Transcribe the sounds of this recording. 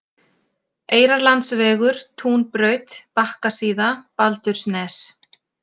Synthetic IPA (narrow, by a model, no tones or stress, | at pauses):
eːjɾaɾlant̪svɛːɣʏɾ̥t̪ʰuːnpɾœːɥt̪pahkasiːðapalt̪ʏɾ̥snɛːs